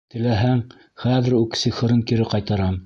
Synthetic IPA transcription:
t̪ɘ̆læɦæŋ | χæðɘ̆ɾʉksiχɤ̆ɾɤŋkiɾɘqɑjt̪ɑɾɑm

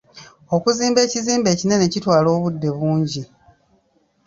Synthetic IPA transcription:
o̞kuziːmbe̞ːciziːmbe̞ːcine̞necitwaːlo̞ːβudːe̞βuːɲɟi

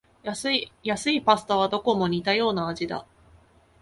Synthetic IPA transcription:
jasɨijasɨipasɨ̥t̪aβ̞ad̪o̞ko̞mo̞ɲ̟it̪ajo̞ːnaːʑid̪a̰

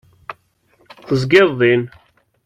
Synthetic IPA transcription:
θəzɡɪðˤːin

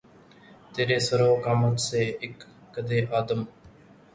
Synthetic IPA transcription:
t̪eːɾeːsəɾoːkamət̪seːɪkː | əd̪eːʔaːd̪əm

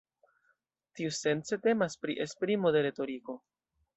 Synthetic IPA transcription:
tiuse̞nt͡se̞te̞maspɾiʔespɾimo̞de̞ɾe̞to̞ɾiko̞

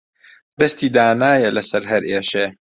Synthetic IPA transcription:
d̪ɐst̪iːd̪aːnaːjɐlɐsɐɾɦɐɾeːʃeː

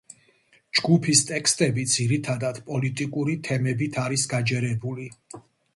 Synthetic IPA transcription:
d͡ʒɡupʰist̪ʼɛkʰst̪ʼɛbid̪z̥iɾit̪ʰad̪ad̪̥pʼɔlit̪ʼikʼuɾit̪ʰɛmɛbit̪ʰaɾisɡad͡ʒɛɾɛbuli

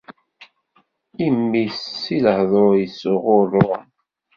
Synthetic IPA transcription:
imːisːilhðˤɾojəsʊʁʊrˤːo

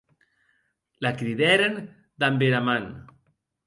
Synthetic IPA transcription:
lakɾiðɛɾen | d̪ambeɾaman

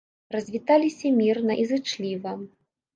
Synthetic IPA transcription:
rɐzʲvʲit̪alʲisʲɐmʲirnɐʔizɨt͡ʂlʲivɐ

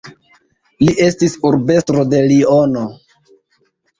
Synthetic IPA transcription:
liʔe̞stisuɾbe̞stɾo̞de̞liono̞

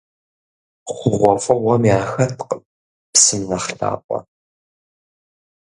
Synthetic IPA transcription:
χʷʊʁʷɔfʼɐwɐmjaːxɐtʰq | psɨmnɐχɬa̰ːpʷʼɔ̰

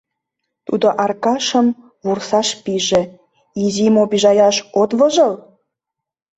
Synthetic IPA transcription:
t̪ud̪oʔɑrkɑʃəm | βursɑʃpiʒĕ | izimobiʒɑjɑʃot̪βəʒəl

